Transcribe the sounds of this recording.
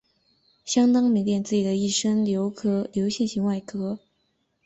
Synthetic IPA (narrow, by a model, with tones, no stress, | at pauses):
ɕjɑ˥ŋt̪ɑ˥ŋmi˧˥ŋt̪jɛ˥˧˩nt͡sɹ̩˥˩t͡ɕi˨˩ə˦i˥˩ʂə˥ŋljo˧˥ʊkʰɤ˥ljo˧˥ʊɕjɛ˥˩nɕi˧˥ŋwa˥˩ɪkʰɤ˥